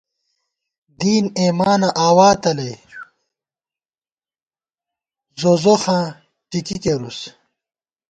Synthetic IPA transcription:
d̪iːneːmaːnɐʔaːwaːt̪ɐle | zozoxãː | ʈikikeɾus

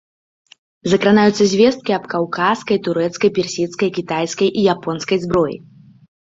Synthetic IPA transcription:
zɐkɾanajut̪sːɐzʲvʲɛst̪̚kʲiɐpkawkʰaskɐjt̪uɾɛt̪skɐjpʲɛrsʲit̪skɐjkʲit̪ajskɐjʔijapɔnskɐjzbɾɔjḭ

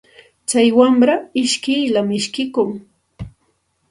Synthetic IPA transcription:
t͡sajwamɾaɪʃkɪjlamɪʃkɪkʊŋ

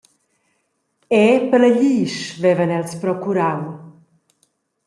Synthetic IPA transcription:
ɛpələʎiːʃvɛvənɛlspɾɔkuɾaw

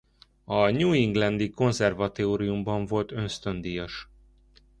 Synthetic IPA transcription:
ɒɲuːiŋɡlɛnd̪iko̞nzɛrvɒt̪oːɾijumbɒɱvo̞lt̪ø̞nst̪ønd̪ijɒʃ

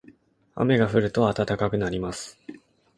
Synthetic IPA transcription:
a̰me̞ɡaɸɯ̟ɾɯ̟t̪o̞at̪at̪akakɯ̟naɾʲimasɨ̥

